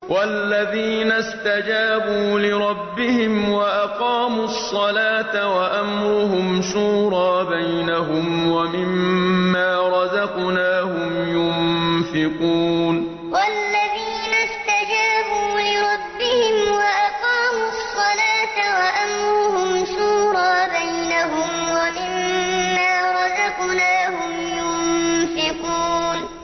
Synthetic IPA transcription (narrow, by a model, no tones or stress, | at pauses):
wʔalːaðiːnast̪ad͡ʒaːbuːlɪɾˤɑbːɪhɪmwaʔaqɑːmusˤːɑlaːt̪awaʔamɾʊɦʊmʃuːɾˤɑːbajnaɦʊmwamɪmːaːɾˤɑzɑqnaːhʊmjʊmfɪquːn | wʔalːaðiːnast̪ad͡ʒaːbuːlɪɾˤɑbːɪhɪmwaʔaqɑːmʊsːɑlaːt̪awaʔamɾuːhʊmʃuːɾˤɑːbajnaɦʊmwamɪmːaːɾˤɑzɑqnaːhʊmjʊnfɪquːn